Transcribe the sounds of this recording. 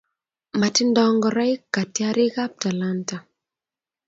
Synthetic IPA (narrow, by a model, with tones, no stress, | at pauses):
ma˨ti˦ndɔ˦ŋɡɔ˨ɾa˦i˦kːa˨tja˦ɾi˦ka˦p̚ta˨lanta˨